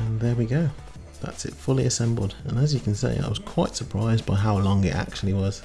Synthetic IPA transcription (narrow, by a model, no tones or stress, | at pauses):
ə̃nðə˞wiɡoʊ | ðæ̰tsɨ̰tfʊlˠiɨsɛ̃mbl̩ˠdə̃nəzjɨkʰn̩sḛɪʔa̰ɪwʌz̥kʰw̥aɪtsə˞pʰɹ̥aɪzbaɪɦaʊlɔ̃ŋɪtæ̰k̚t͡ʃul̩ˠiwʌz̥